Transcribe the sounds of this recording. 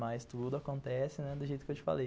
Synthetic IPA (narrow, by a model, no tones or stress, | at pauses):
majst̪ud̪ʊakõnt̪ɛsɪnɛd̪ʊʒejt̪ʊkewt͡ʃɪ̥fa̰le